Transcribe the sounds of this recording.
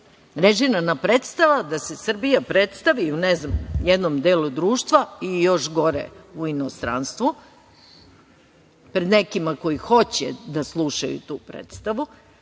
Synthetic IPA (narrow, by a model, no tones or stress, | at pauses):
ɾeʒinanapɾet̪st̪aʋad̪ase̞sr̩bijapɾet̪st̪aʋiuneznamjed̪nomd̪eːlud̪ɾuːʃt̪ʋaijo̞ʃɡo̞ɾḛuinost̪ɾa̰nst̪ʋu | pɾe̞d̪ne̞kimako̞jixo̞t͡ɕɛ̰d̪aslˠuʃa̰jṵt̪uːpɾḛt̪st̪aʋu